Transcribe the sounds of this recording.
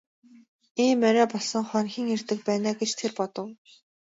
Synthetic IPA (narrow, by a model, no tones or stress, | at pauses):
iːmœɾæːpɔɮsɞ̆ŋχœnxʲiːŋert̪ɘ̆k̚pæːnaːɡet͡ɕt̪ʰerpɔt̪ɞ̆w